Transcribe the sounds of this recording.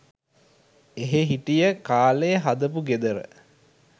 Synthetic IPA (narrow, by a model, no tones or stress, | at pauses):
eɦeɦiʈijəkaːlejɦad̪əpuɡed̪əɾə̰